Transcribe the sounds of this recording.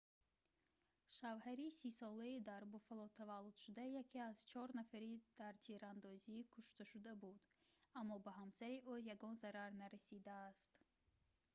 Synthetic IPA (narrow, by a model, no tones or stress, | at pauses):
ʃavhaɾisisɔlaid̪aɾbufalɔt̪ʰavalːud̪̥ʃud̪ajakʰiaz̥t͡ʃʰɔɾnafaɾid̪̥aɾt̪ʰiɾand̪ɔzikʰuʃt̪aʃud̪abud̪amːɔbaɦamsaɾiʔujaɡɔnzaɾaɾnaɾasid̪aːst̪